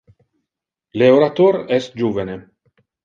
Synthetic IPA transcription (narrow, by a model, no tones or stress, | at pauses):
leoɾat̪oɾɛst̪̚d͡ʒuːvene